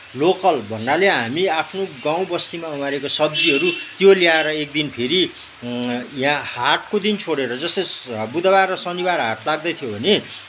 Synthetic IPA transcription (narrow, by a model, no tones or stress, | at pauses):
lokʌlbʱʌnːaleɦamiapʰnoɡãw̃bʌst̪imaumaɾekosʌb̚d͡ziɦʌɾut̪joliaeɾʌek̚d̪inpʰeɾi | jãhaʈ̚kod̪int͡sʰoɽeɾʌd͡zʌst̪ʌbud̪abarʌsʌnibarɦaʈlaɡ̚d̪ʌt̪ʰijobʱʌne